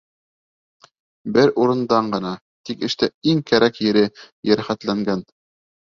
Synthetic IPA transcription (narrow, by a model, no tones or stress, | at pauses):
bɘɾuɾɤ̆nd̪ɑɴɢɤ̆nɑ | t̪ikɘ̆ʃt̪æiŋkæɾʔækjɘ̆ɾɘ | jæ̆ɾχæt̪læŋɡæn